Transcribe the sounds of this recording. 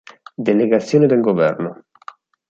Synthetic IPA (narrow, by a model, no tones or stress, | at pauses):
d̪eleɡat̪sːjoːned̪elɡovɛ̰rno